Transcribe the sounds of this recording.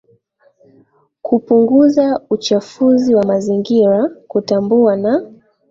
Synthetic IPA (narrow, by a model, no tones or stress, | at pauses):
kupuŋɡuzaut͡ʃafuziwamaziŋɡiɾakutambuana